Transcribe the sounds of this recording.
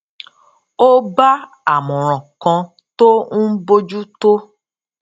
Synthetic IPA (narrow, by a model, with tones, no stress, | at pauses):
o˦ba˦ | a˨mɔ̃˨ɾ̃ɔ̃˨kɔ̃˧ | to˦n̩˦bo˦d͡ʒu˦to˦